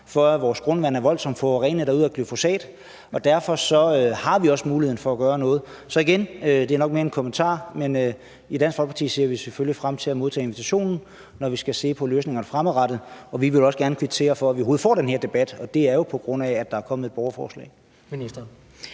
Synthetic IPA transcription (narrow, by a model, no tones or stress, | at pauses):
fɒ̽æʋɒːsɡ̥ʁɔ̽nʋænæɐʋɒ̽l̰sɒ̽m̰d̥fɒʁɛːnəd̥ɑuð̞̰ˠækʰlyfo̝sɛ̰ːd̥ | ɒ̽d̥æɐfɒ̽sɒ̽øhɑ̈ʋiɒ̽smuːlihḛn̩fɒ̽æɡ̥ɶːɐnɔ̽ːð̞̩ˠ | sɒ̽iɡ̥enød̥e̝æɐnɒ̽ɡ̥̚meːɐenkʰo̽mənt͡sʰɑ̰̈ːmenø | id̥ænsɡ̥fɒlpʰɑ̈t͡sʰḭːse̝ɐ̰ʋiseføljifʁam̰t͡sʰe̝læmoð̞ˠt͡sʰɛ̰ːe̝nʋe̝t͡sʰæɕo̝̰ːnn̩ | nɒʋisɡ̥æse̝̰ːpʰɒ̽løːsne̝ŋɐnəfʁamˠʁɑ̈d̥ð̩ˠɒ̽ʋiʋe̝lɒ̽səɡ̥æɐnkʰyb̥̚t͡sʰe̝̰ːɐfɒ̽æʋiɦo̝ːð̩ˠfɒ̰ːd̥enhe̝ɐd̥e̝b̥æd̥ɒ̽d̥e̝æɐjo̝pʰɒ̽ɡ̥ʁɔ̽n̰æːd̥ɑ̈æɐkʰɒ̽məð̩ˠe̝d̥̚b̥ɒʊɐfɒ̰ːslɛ̰̥ː